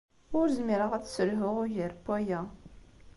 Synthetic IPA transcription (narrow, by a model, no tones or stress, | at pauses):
ʊɾzmiɾəʁæt͡ssəlɦʊʁʊjəɾpːæjæ